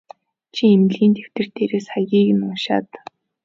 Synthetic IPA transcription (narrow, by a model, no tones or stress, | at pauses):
t͡ɕʰiemɮiːnt̪ʰew̥t̪ɘ̆r̥t̪eːɾeːsχajɣʲiːɣɘ̆nʊnʃa̰ːt̪